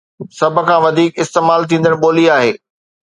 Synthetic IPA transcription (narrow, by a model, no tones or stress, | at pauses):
sɐb̆ʱkʰãːʋɐd̪ʱiːkɪst̪eːmaːlt̪ʰĩːnd̪əɽ̃ɓoːliaːɦeː